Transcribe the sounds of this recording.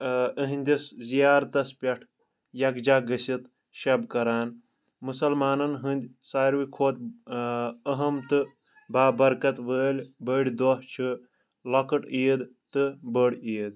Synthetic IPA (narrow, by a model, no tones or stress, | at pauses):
əɦɨnʲd̪ʲiszijaːɾt̪ɐspʲɐʈʰ | jɐkd͡ʒaːɡəsit̪ | ʃɐbkɐɾaːn | musɐlmaːnɐnɦɨnd̪ʲ | saːɾʋikʰoːt̪ | əɦɐmt̪ɨ | baːbɐɾkɐt̪ʋəːlʲbəɽʲd̪oht͡ʃʰɨ | lɐkɐʈiːd̪t̪ɨbəɽʲiːd̪̚